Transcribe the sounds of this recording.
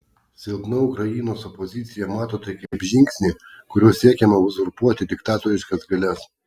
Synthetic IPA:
sʲɪlˠd̪nɐʊkɾɐjinoːsɔpɔzʲɪt̪sʲɪjɛmɑːt̪oːt̪ɐɪkʲɐpʲʒʲɪŋʲksʲnʲikʊɾʲuɔsʲiɛkʲɛmɐʊzʊɾpuɔt̪ʲɪd̪ʲɪkt̪ɑːt̪ɔɾʲɪʃkɐsɡɐlʲɛs

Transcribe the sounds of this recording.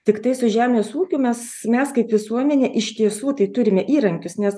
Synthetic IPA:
t̪ʲɪkt̪ɐɪsʊʒʲæːmʲeːsuːkʲʊmʲɛsmʲɛskɐɪpʋʲɪsuɔmʲɛnʲeːʔɪʃʲt̪ʲiɛsuːt̪ɐɪt̪ʊɾʲɪmʲɛʔiːɾɐŋʲkʲʊsnʲɛs

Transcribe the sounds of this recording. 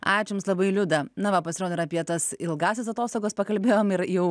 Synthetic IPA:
ɑːt͡ʃʲʊmslˠɐbɐɪlʲʊd̪ɐnɐʋɐpɐsʲɪɾoːd̪ɐɪɾɐpʲiɛt̪ɐsɪlˠɡɑːsʲɪs̬ɐt̪oːst̪oːɡoːspɐkɐlʲbʲeːjoːmɪɾjɛʊ

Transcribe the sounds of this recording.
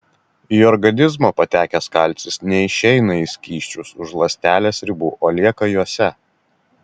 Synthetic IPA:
iːɔɾɡɐnʲɪzmoːpɐt̪ʲæːkʲɛskɐlʲt̪sʲɪsnʲɛɪʃʲɛɪnɐisʲkʲiːʃʲt͡ʃʲʊsʊʃlˠɐsʲt̪ʲæːlʲeːsɾʲɪbuːʔoːlʲiɛkɐjuɔsʲɛ

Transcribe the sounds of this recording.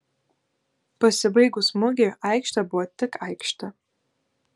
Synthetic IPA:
b̥asɨbejɡusmoɡʲɪrajkʂtʰabatʰːɨkʰajkʂtʰa

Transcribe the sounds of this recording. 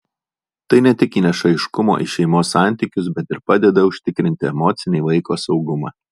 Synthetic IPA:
t̪ɐɪnʲɛt̪ʲɪkʲiːnʲɛʃɐɪʃkʊmo̰ːʔɪ̰ʃʲɛɪmoːsːɑˑnʲˑt̪ʲiˑkʲʊs̬bʲɛt̪ɪɾpɑːd̪ʲɛd̪ɐʊʃʲt̪ʲɪkɾʲɪnʲt̪ʲɪɛmɔːt̪sʲɪnʲɛɪlˠɐɪkoːsɒʊɡʊmɑ̰ː

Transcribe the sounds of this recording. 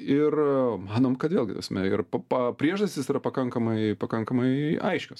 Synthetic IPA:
ɪrmɑːnoːmkɐt̪ʋʲeːlˠɡʲɪt̪ɐsmʲɛɪrpɐpɐpʲɾʲiɛʒd̪ɐsʲt̪ʲɪsiːɾɐpɐkɐŋkɐmɐɪpɐkɐŋkɐmɐɪɐɪʃʲkʲoːs

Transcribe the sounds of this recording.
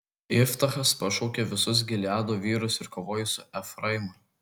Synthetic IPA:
ɪft̪ɐxɐspɐʃɔʊkʲɛʋʲɪsʊs̬ɡʲɪlʲæːd̪oːʋʲiːɾʊsɪɾkoʋoːjʊsʊʔɛfɾɐɪmʊ

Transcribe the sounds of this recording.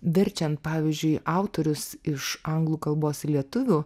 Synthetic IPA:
ʋʲɪɾʲt͡ʃʲɛnt̪̚pɑːʋʲizʲd͡ʒʲʊɪʔɑʊt̪oːɾʲʊsɪʃɐŋɡlˠuːkɐlˠboːsɪlʲiɛt̪ʊʋʲuː

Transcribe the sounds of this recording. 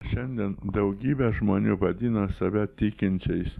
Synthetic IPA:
ʃʲɛnʲd̪ʲiɛnd̪ɐʊɡʲiːbʲɛʒmoːnʲuːʋɐd̪ʲɪːnɐsɐʋʲɛt̪ʲɪkʲɪnʲt͡ʃʲɛɪs

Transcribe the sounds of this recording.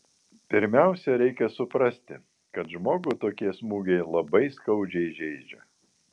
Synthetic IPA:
pʲɪɾʲmʲæˑʊsʲɛɾʲɛɪkʲɛsʊpɾɐsʲt̪ʲɪ | kɐt̪ʒmoːɡʊt̪oːkʲiɛsmuːɡʲɛɪlˠɐbɐɪskɐʊd͡ʒʲɛɪʒʲɛɪd͡ʒʲɛ

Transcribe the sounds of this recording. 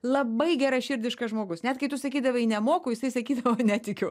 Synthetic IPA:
lˠɐbɐɪɡʲæɾɐʃʲɪɾʲd̪ʲɪʃkɐʒmoːɡʊsnʲɛt̪kɐɪt̪ʊsɐkʲiːd̪ɐʋɐnʲɛmoːkʊːjɪsɐɪsɐkʲiːd̪ɐʋoːnʲɛt̪ʲɪkʲʊ

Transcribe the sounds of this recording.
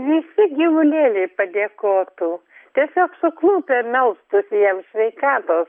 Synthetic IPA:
ʋʲɪsʲɪɡʲɪʋʊnʲeːlʲɛɪpɐd̪ʲeːkoːt̪uːt̪ʲiɛsʲoːksʊklˠuːpʲeɛmʲɛlˠst̪ʊsʲɪjɛmʃʲʋʲɛɪkɑːt̪oːs

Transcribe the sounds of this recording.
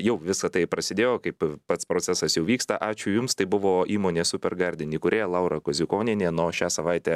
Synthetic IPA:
jɛʊʋʲɪsɐt̪ɐɪpɾɐsʲɪd̪ʲeːjoːkɐɪppɐt̪spɾoːt͡sʲæsɐsjɛʊʋʲiːkst̪ɐʔɑːt͡ʃʲʊjʊmst̪ɐɪbʊʋoːʔiːmoːnʲeːsʊpʲɛrɡɐɾʲd̪ʲɪnʲiːkʊɾʲeːlˠɐʊɾɐkɔzʲɪkoːnʲɪnʲeːnoːʃʲæːsɐʋɐɪt̪ʲɛː

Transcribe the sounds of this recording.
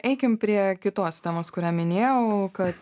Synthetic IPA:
ɛɪkʲɪmpʲɾʲiɛkʲɪt̪oːst̪ʲɛːmoːskʊɾʲæːmʲɪnʲeːjɛʊkɐt̪

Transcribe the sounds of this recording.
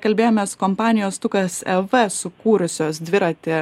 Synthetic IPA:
kɐlʲbʲeːjoːmʲɛskoːmpɑːnʲɪjoːst̪ʊkɐsɛʋɛsʊkuːɾʊsʲoːsd̪ʲʋʲɪɾɐt̪ʲɪ

